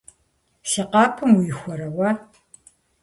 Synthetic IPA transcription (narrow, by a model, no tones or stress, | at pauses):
siqɑːpʰɨmujɪxʷɔɾɐwɐ